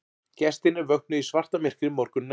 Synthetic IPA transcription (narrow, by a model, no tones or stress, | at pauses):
cɛst̪ɪnɪvœknʏisvar̥t̪amɪr̥kɾɪmɔɾkʏnː